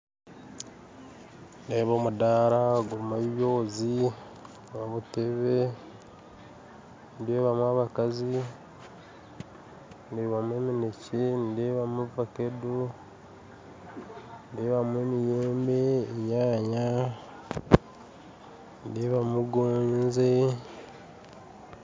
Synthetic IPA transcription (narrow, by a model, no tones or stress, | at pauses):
ndeːβoːmudaːɾaɡumaββjoːzi | βaβuteβe | ndeːβamwaβakazi | ndeːβamweːminecendeβamuvakedu | ndeβamwemijeːmbeɲaːɲa | ndeβamuɡoːɲze